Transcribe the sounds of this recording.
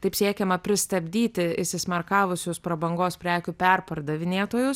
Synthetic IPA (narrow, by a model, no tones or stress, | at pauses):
t̪ɐɪpsʲiɛkʲɛmɐpʲɾʲɪst̪ɐbʲd̪ʲiːt̪ʲɪɪʃʲsʲɪsʲmʲɐrkɑːʋʊsʲʊspɾɐbɐŋɡoːspʲɾʲæːkʲupʲɛrpɐrd̪ɐʋʲɪnʲeːt̪oːjʊs